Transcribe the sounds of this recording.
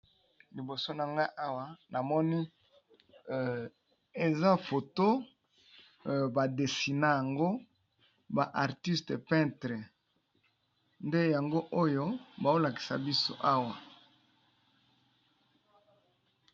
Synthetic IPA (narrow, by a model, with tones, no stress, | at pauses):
li˨bo˨so˦na˨ŋɡa˦ʔa˦wa˨na˨mɔ˦ni˦ | e˨za˦fo˨to˦ | ba˨de˨si˨na˦ja˨ŋɡo˦ | ba˨ʔa˨ʁti˦ste˨pɛ̃˦tʁe˨ | nde˦ja˨ŋɡo˦ʔo˦jo˦ba˨o˦la˨ki̥˨sa̰˨bi˦so̰˦ʔa˦wa˨